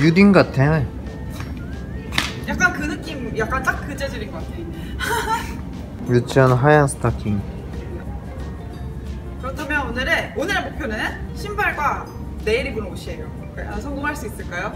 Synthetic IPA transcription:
judinɡatʰea | jak̚k͈ankɯnɯk͈imjak̚k͈ant͈ak̚k͈ːɯd͡ʑed͡ʑɯɾinɡʌk͈atʰe | jut͡ɕʰʌnɦajansʰɯ̥tʰakʰiŋ | kɯɾʌtʰamjʌnonɯɾeonɯɾemok̚pʰjonɯnɕʰimbaɭɡwa | ne̞iɾibunʌboɕʰiejo | k͈asʰʌŋɡoŋɦaɭs͈uis͈ɯɭk͈ajo

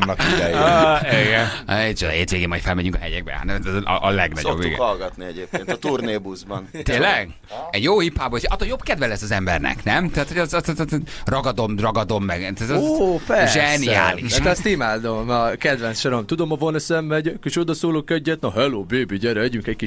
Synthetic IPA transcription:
mɒkɛjiɡɛnet͡ʃod̪̰ɦeːt̪ʋeːɡeːmɒjt̪fɛlmɛɲyŋkɒɦɛjɛɡ̚bɛ̰ha̰nɛt̪ɛzʔʔlɛɡnɒ̰obːḭɡ̰hɒlɡɒt̪niɛɟeːpkeːnt̪ɔt̪urneːbuzbɒnt̪eːlɛɡ | ɛɟjoːhipːaːboːeʃɒt̪ːoljobkɛd̪vɛlɛsːɒzɛmbɛ̰rnɛ̰knɛmt̪ɛat̪hoɛst̪t̪t̪rɒɡɒd̪omrɒɡɒd̪o̞mːɛɡt̪at̪opɛʒɛnia̰ːliʃt̪ɛɛst̪imaːd̪omɒkɛd̪vɛnsʃoɾomt̪ud̪omɒvonøsɛmːɛɟkiʃod̪ɒsoːloːkɛɟːɛt̪̚noɦɛloːbøːbiɟɛɾɛɟyŋkɛcki

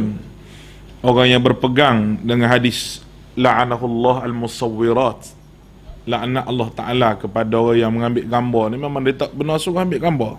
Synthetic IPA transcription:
n | oɣaŋjaŋbərpəɡaŋdəŋanɦadɪs | laʕanaɦulːɑɦalmusˤɑwːiɾat̪ | laʔanaʔɑlːɑht̪aʔalakəpadaoɣajaŋməŋambɪʔɡambɔnimamaŋndet̪aʔbənasuɣahambɪʔɡambɔ

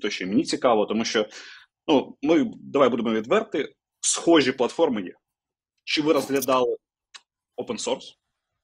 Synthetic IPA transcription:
t̪ɔʃʲt͡ʃɔimenʲit͡sʲikɑʋɔt̪ɔmuʃt͡ʃɔ | numɪd̪ɐʋajbud̪ɪmɔʋʲid̪ʋɛrt̪ɪ | sxɔʒʲiplˠɐt̪fɔrmɪjɛ̰ | t͡ʃɪʋɪɾɐzɦlʲɐd̪ɑlˠɪ | ɔpensɔrs

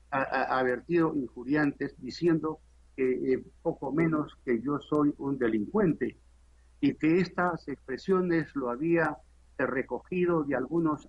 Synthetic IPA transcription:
aaβe̞ɾt̪iðo̞ʔiŋxuɾjant̪esd̪isje̞nd̪o̞ | kepo̞ko̞mẽ̞no̞ske̞ʝo̞so̞jund̪e̞liŋkwe̞nt̪e̞ | ike̞est̪asekspɾe̞sjo̞ne̞zloaβia | re̞ko̞xið̞o̞ðealɣuno̞s

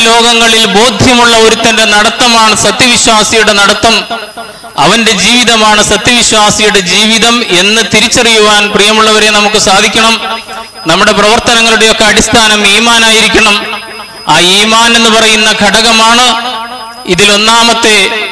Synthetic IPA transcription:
lo̞ːɡɐŋːɐɭilbo̞ːd̪ʱjɐmuɭːɐo̞ɾut̪ːɐnde̞nɐɽɐt̪ːɐmaːɳɨsɐt̪jɐʋiɕwaːsijuɽe̞nɐɽɐt̪ːɐm | ɐ̰ʋɐnde̞d͡ʑiːʋiðɐmaːɳɨsɐt̪jɐʋiɕwaːsijuɽe̞d͡ʑiːʋiðɐme̞nːɨt̪iɾit͡ɕːɐrijuʋaːnprijɐmuɭːɐʋɐɾe̞nɐmukːɨsaːd̪ʱikʲːɐɳɐm | nɐmːuɽe̞prɐʋɐrt̪ɐnɐŋːɐɭuɽe̞jo̞kːe̞ɐɽist̪ʰaːnɐmiːmaːnaːjiɾikʲːɐɳɐm | aːiːmaːne̞nːɨpɐrɐjunːɐɡʱɐɽɐɣɐmaːɳɨ | iðilo̞nːaːmɐt̪ːe̞

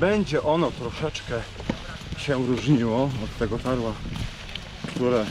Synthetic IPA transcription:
bɛɲd͡ʑɛʔɔnɔt̪ɾɔʂɛt͡ʂkɛ | ɕɛɾuʐɲiwɔɔt̪ːɛɡɔt̪aɾwa | kt̪uɾɛ

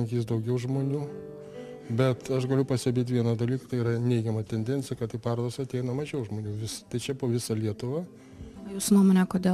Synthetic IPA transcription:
ŋʲkʲiːs̬d̪ɐʊɡʲɛʊʒmoːnʲuː | bʲɛt̪ɐʃɡɐlʲʊpɐsʲt̪ʲɛbʲeːt̪̬ʲʋʲiɛnɐd̪ɐlʲiːkɐt̪ɐɪiːɾɐnʲɛɪɡʲɛmɐt̪ʲɛnʲd̪ʲɛnʲt͡sʲɪjɛkɐt̪t̪ːɐɪpɑːɾoːd̪ɐsɐt̪ʲɛɪnɐmɐʒʲɛʊʒmoːnʲuːʋʲɪst̪ɐɪt͡ʃʲɛpoːʋʲɪsɐlʲiɛt̪ʊʋɑː | juːsʊnuɔmoːnʲɛkoːd̪ʲeː

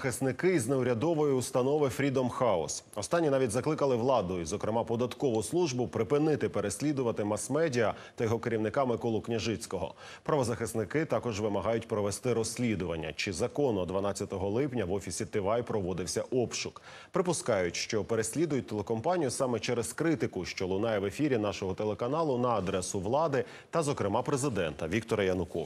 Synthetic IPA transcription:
xɪsnɪkɪizneʊɾʲɐd̪ɔʋɔjiust̪ɐnɔʋɪfɾʲid̪ɔmxɑɔ̰sɔst̪ɑnʲːinɑʋʲitʲzɐklˠɪkɐlˠɪʋlˠɑd̪ʊizɔkɾemɑpɔd̪ɐt̪kɔʋʊslˠuʒbʊpɾɪpɪnɪt̪ɪpeɾesʲlʲid̪ʊʋɐt̪ɪmɐsmɛdʲiɐ | t̪ɐjɔɦɔkeɾʲiwnɪkɑmɪkɔlˠʊknʲɐʒɪt͡sʲkɔɦɔ̰ | pɾɐʋɔzɐxɪsnɪkɪt̪ɑkɔʒʋɪmɐɦɑjʊtʲpɾɔʋest̪ɪɾɔsʲlʲid̪ʊʋɐnʲːɐ̰t͡ʃɪzɐkɔnd̪ʋɐnɑt͡sʲːɐt̪ɔɦɔlˠɪpnʲɐʋɔfʲisʲit̪ɪʋɑjpɾɔʋɔd̪ɪwsʲɐʔɔpʃʊk | pɾɪpʊskɑjʊtʲʃt͡ʃɔpeɾesʲlʲid̪ʊjʊt̚ʲt̪elekɔmpɑnʲijʊsɑmɛt͡ʃɛɾeskɾɪt̪ɪkʊʃt͡ʃɔlˠʊnɑjɛʋe̞fʲiɾʲinɑʃɔɦɔt̪elˠekɐnɑlˠʊnɐːd̪ɾɛsʊʋlˠɑd̪ɪ | t̪ɐzɔkɾɪmɑpɾezɪd̪ɛnt̪ɐʋʲikt̪ɔɾɐjɐnʊkɔ

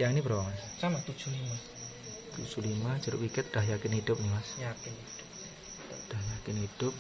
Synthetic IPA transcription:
jaŋnibəɾawamassamat̪u̥d͡ʒ̥ulima | t̪u̥d͡ʒ̥ulimḁd͡ʒəɾʊ̰wikɪt̪̚d̥aɦjakɪnhid̥ʊp̚nimasjakɪnhid̥ʊp̚ | d̥aɦjakɪnhid̥ʊp̚

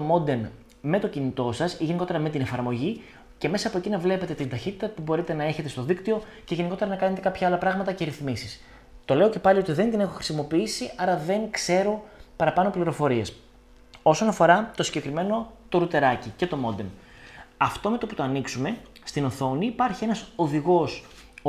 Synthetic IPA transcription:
t̪omo̞d̪e̞n | me̞t̪o̞cinit̪o̞sɐsʝe̞niko̞t̪eɾɐme̞t̪ine̞fɐɾmo̞ʝi | ce̞me̞sɐːpoe̞cinɐvle̞pe̞t̪e̞t̪ind̪ɐçit̪it̪ɐpubo̞ɾit̪e̞nɐe̞çe̞t̪est̪o̞ðikt̪io̞ | ceʝe̞niko̞t̪e̞ɾɐnɐkɐne̞t̪e̞kɐpçɐɐlɐpɾɐɣmɐt̪ɐceɾiθmisis | t̪o̞le̞o̞ce̞pɐlio̞t̪iðe̞nd̪ine̞xoxɾi̥simo̞piisiɐɾɐðe̞ŋkse̞ɾo̞pɐɾɐpɐnopliɾo̞fo̞ɾie̞s | o̞so̞nɐfo̞ɾɐt̪o̞siɲɟe̞kɾime̞no̞t̪o̞ɾut̪e̞ɾɐcice̞t̪o̞mo̞d̪e̞n | ɐft̪o̞me̞t̪o̞put̪oɐniksume̞st̪ino̞θo̞niːpɐɾçie̞nɐso̞ðiɣo̞s

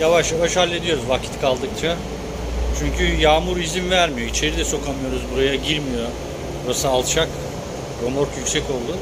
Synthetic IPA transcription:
javaʃjavaʃhalʲːe̞d̪ijo̞ɾuzvakcʰi̥t̪kʰalˠd̪ɯk̚t͡ʃʰa | t͡ʃʰyɲcʰyjaːmuɾizimvæɾmijo̞it͡ʃʰe̞ɾid̪ɛso̞kʰamɯjo̞ɾuzbuɾajaɟiɾmijo̞ | ɾosaːlˠt͡ʃʰak | ɾo̞mo̞ɾkjycʲsɛco̞lˠd̪uʊ

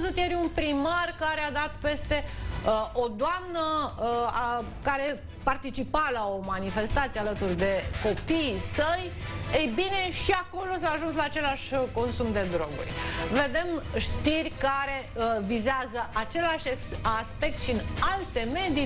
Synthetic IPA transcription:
zut̪jeɾʲunpɾimarkaɾead̪at̪̚pe̞st̪e̞ | o̞d̪oamnəa | kaɾe̞ | part̪it͡ʃipalao̞manife̞st̪at̪sijealət̪urd̪e̞ko̞piːsəj | ejbine̞ʃiako̞lo̞s̬aːʒunslaːt͡ʃe̞laʃʲko̞nsumd̪e̞d̪ɾo̞ɡṵrʲve̞d̪e̞mʃt̪irʲkaɾe̞vizeazəʔat͡ʃe̞laʃeaspe̞k̚t̪ʃinalt̪e̞me̞d̪i

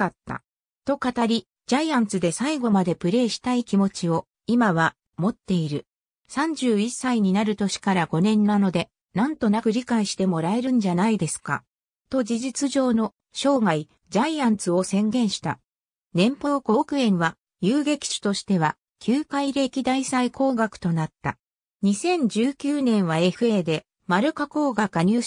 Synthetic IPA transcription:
at̪ːa̰ | t̪o̞kat̪aɾʲi | d͡ʑaijãnt͡sɨd̪e̞saiɡo̞mad̪e̞pɯ̟ɾe̞ːɕi̥t̪aikʲimo̞t͡ɕio̞ | imaβa | mo̞t̪ːe̞iɾɯ̟ | sãɲ̟d͡ʑɨːisaiɲ̟inaɾɯ̟t̪o̞ɕi̥kaɾaɡo̞nẽ̞nːano̞d̪e̞ | nãnt̪o̞nakɯ̟ɾʲikaiɕi̥t̪e̞mo̞ɾae̞ɾɯ̟̃ɲ̟d͡ʑanaid̪e̞sɨ̥ka̰ | t̪o̞d͡ʑiʑit͡sɨʑo̞ːno̞ | ɕo̞ːɡai | d͡ʑaijãnt͡sɨo̞sẽ̞ŋɡẽ̞ɰ̃ɕi̥t̪a | nẽ̞mpo̞ːko̞ːkɯ̟ẽ̞ɰ̃βa | jɯːɡe̞kʲi̥ɕi̥t̪o̞ɕi̥t̪e̞βa | kʲʰɨːkaiɾe̞kʲid̪aisaikʰo̞ːɡakɯ̟̥t̪o̞nat̪ːa̰ | ɲ̟isẽ̞ɲ̟d͡ʑɨːkʲɨːnẽ̞ɰ̃βae̞ɸɯ̟e̞ːd̪e̞ | maɾɯ̟kako̞ːɡakaɲ̟ɨː

